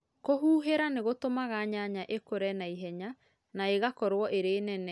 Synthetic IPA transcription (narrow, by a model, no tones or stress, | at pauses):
koɦuːɦeɾaneɣotomaɣaɲaɲaʔekoɾɛnaiɦɛɲa | naeɣakɔɾwɔʔeɾeːnɛnɛ